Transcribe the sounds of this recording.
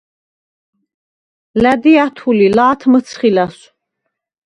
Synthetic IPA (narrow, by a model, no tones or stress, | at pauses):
læd̪iat̪ʰulilaːt̪ʰmət̪sʰχilas